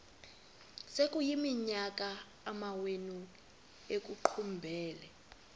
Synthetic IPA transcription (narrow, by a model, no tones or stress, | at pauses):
sek̬ʼujimiɲak̬ʼaː | mawenu | ek̬ʼuǃʰumbʱɛːlɛ